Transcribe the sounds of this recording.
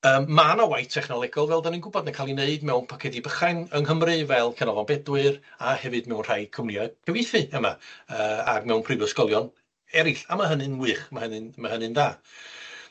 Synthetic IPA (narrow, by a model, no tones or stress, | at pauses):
əːmːanawajtʰɛχnɔlˠɛɡɔlˠvɛlˠdaninŋɡʊbɔdnakʰalˠineɨdmɛwnpʰɔkʰɛdibəχaŋəŋɦəmrɨvɛlˠkʰɛnɔvɔnbɛdwɨrahɛvɨdmɛwnr̥ajkʰʊmnjɔkʰəvɪθɨəmaəːa̰ɡmɛwnpʰrɨvəskɔlˠjɔn | ɛɾɪɬamaɦənɨnwɨːχmahənɨnmahənɨndaː